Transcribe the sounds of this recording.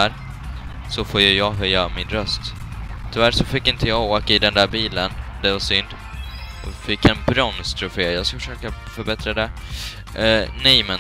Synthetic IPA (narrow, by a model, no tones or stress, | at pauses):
æɾ | sɔfoːjɵjɑːɡɦœjːamɪnɾœst̪ | t̪ʰːʏvæɾʂɔfɪkːɪnt̪ʰəjɑːɡoːkaɪd̪ɛnd̪æːɾbiːlənd̪ɛvasʏnd̪ | ɔfɪkːɛnbɾɔnst̪ʰɾʊfeːjɑːɡskafəʂøːkafœɾbɛt̪ɾad̪ɛ | nɛjmɛn